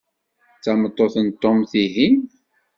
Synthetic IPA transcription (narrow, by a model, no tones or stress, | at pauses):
t͡sːæmət̪ˤːoθənt̪ːomθiɦim